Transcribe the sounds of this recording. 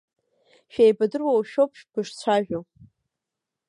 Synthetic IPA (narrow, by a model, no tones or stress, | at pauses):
ʃᶣejbadɨrwawʃopʰʃɡɨʂt͡ɕʷʰaʒᶣo